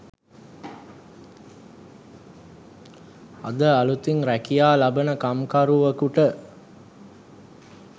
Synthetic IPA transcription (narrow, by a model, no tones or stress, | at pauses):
ɐ̰d̪əalut̪iŋɾækijaːlabənəkamkaɾuʋəkuʈə